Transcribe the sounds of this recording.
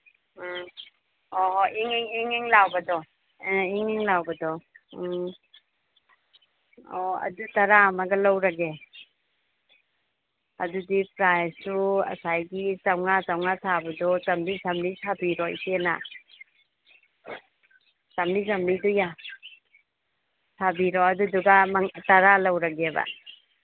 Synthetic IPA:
ɔɦɔʔiŋiŋiŋiŋlawbadɔ | iŋiŋlawbadɔ | ɔɐ̰dutaɾamaɡalawɾaɡe | ɐdudipɾajsuɐ̰sajɡisawŋat͡ʃawŋasʰabɐdɔsamlisamlisʰabiɾɔj̰sena̰ | samlizamliduja | sʰabiɾɔɐduduɡamataɾalawɾaɡeba̰

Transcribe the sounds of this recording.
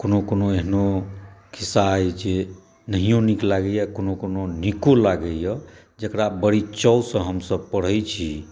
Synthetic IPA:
konokonoeɦnokʰisajt͡ʃe | nəɦijõniklaɡəjakonokononikolaɡəjə | d͡ʒəkɾabəɽit͡ʃəwsə̃ɦəmsəb̚pəɽ̤əjt͡ʃʰi

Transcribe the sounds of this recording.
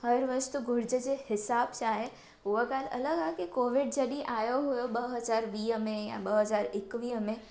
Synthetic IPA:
ɦɐɾʋəst̪uɡʱʊɾd͡ʑəd͡ʑehɪsaːbt͡ʃaːɦe | ʊʋəkaːlɐ̰ləɡakikoːʋɪɖd͡ʑɐɗiʔaːjoɦujoɓɐɦɐzaːɾʋiːɦmẽjã̰ɓəɦəzaːɾɪkʋiːɦəmẽ

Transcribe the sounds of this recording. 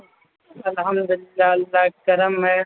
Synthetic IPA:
ɐlɦɐmd̪ʊlɪlːaːlːaːkɐɾəmːɛ̃

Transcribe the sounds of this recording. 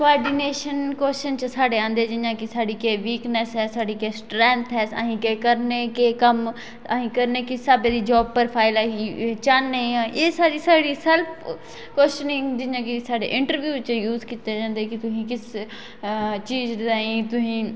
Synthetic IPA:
koaːɾɖineːʃənkɛst͡ʃənt͡ʃəsaːɖeːãːnd̪eːd͡ʒɪnjãːkɪsaːɖiːkeːʋiːknəsɦɛːsaːɖiːkeːsʈɾɛ̃ːnt̪ʰɦɛːsa̰ːɦĩːkeːkəɾneːkeːkəm | aɦĩːkəɾneːkɪsaːbeːd̪iːd͡ʒɔːb̚pəɾpʰaːɪlaɦĩt͡ʃanːẽːʔeːsaːɽiːsaːɽiːsɛlpʰ | kɛst͡ʃənɪ̃ŋd͡ʒɪnjãːkɪsaːɖḛːʔɪɳʈəɾʋjuːɪt͡ʃjuːzkiːt̪eːd͡ʒãːnd̪eːkɪt̪ʊsĩːkɪs | t͡ʃiːd͡ʒ̪aːɦĩːt̪ʊsĩː

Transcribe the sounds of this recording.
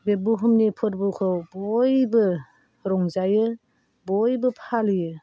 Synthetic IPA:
bebuɦumnipʰɯɾbukʰɔbɔjbɯ | ɾɔŋzajɯ | bɔjbɯpʰalijɯ

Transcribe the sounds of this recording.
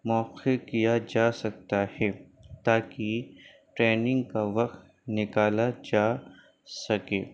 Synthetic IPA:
mɔːqekijad͡ʒaːsɐk̚t̪ahɛːt̪aːki | ʈɾeːnɪ̃ŋɡkaʋɐqt̪ | nɪkaːlad͡ʒaː | sɐkeː

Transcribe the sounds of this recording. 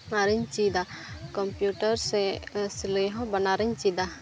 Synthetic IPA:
naɾiɲt͡ʃid̪akə̃mpjuːʈəɾsesleɦɔ̃bɐnaːɾiɲt͡ʃid̪a

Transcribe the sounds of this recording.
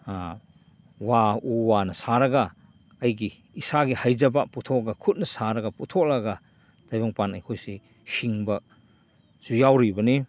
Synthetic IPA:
wauwanɐsaɾɐɡɐː | jɡiː | saɡihajzɐbaputʰɔkɡɐkʰut̚nɐsaɾɐɡɐputʰɔk̚laɡɐ | d̥ajbaŋpanɐjkʰojsi | hiŋbɐ | z̥ujawɾibɐni

